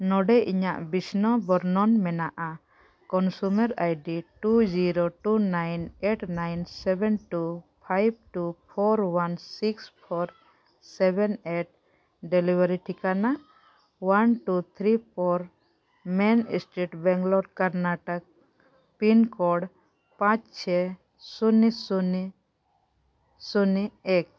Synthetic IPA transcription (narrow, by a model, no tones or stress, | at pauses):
nɔɖɛʔiɲaʔbisnɔbɔɾnɔnmɛnaʔa | kɔnsuməɾajɖiʈud͡ʒiɾoʈunajneʈnajnsɛbɛnʈupʰajb̚ʈupʰɔɾwansikspʰɔɾ | sɛbɛneʈ̚ | ɖɛlibəɾiʈʰikana | wanʈut̪ʰɾipʰɔɾ | mɛn̰sʈeʈbɛ̃ŋɡlɔɾɖkəɾnaʈək̚ | pinkɔɖ | pãt͡ʃt͡ʃʰɛ | sunisuni | suniek̚